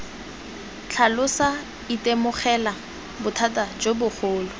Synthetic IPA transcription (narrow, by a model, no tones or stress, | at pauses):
t͡ɬʰalʊsa | itemʊχɛla | bʊtʰatad͡ʒobʊχoːlʊ